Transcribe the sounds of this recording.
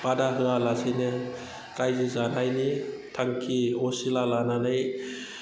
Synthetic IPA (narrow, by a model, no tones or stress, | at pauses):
b̥adaɦɯalasɯnɯ | ɾajzɯzanajnitʰaŋkʰiɔsilalananɯj